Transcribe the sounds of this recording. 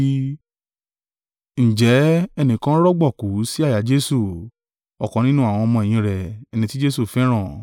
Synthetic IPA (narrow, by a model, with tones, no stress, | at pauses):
n̩˨d͡ʒɛ˨˦ɛ˧nĩ˨kã˦ɾɔ˦ɡ͡bɔ˦˨ku˨˦si˦a˦˨ja˨˦d͡ʒe˦su˦˨ | ɔ˨kɔ̃˨nĩ˦nũ˦a˦˨w̃ɔ̃˧mɔ̃˧ɛ˨j̃ĩ˧ɾɛ˨ɛ˨˧nĩ˧ti˦d͡ʒe˦su˦˨fɛ˦ɾ̃ã˦˨